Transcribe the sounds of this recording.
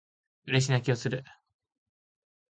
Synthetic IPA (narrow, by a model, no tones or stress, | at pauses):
ɯ̟ɾe̞ɕ̬inakʲiosɨɾɯ̟